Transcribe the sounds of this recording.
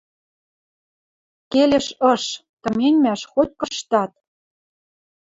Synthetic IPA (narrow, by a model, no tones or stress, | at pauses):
kelʲĕʃɤ̆ʃt̪ɤ̆menʲmæʃxot̪̚ʲkɤ̆ʃt̪ɑt̪̚